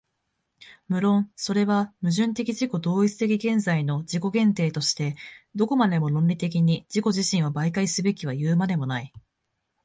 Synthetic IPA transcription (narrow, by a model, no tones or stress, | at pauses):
mɯ̟ɾõ̞ɰ̃so̞ɾe̞βamɯ̟ʑɨ̃nt̪e̞kʲiʑiko̞d̪o̞ːit͡sɨ̥t̪e̞k̬ʲiɡẽ̞nzaino̞d͡ʑiko̞ɡẽ̞nt̪e̞ːt̪o̞ɕi̥t̪e̞d̪o̞ko̞mad̪e̞mo̞ɾõ̞nɾʲit̪e̞k̬ʲiɲ̟id͡ʑiko̞ʑiɕĩɰ̃βabaikaisɨbe̞kʲiβajɯːmad̪e̞mo̞nai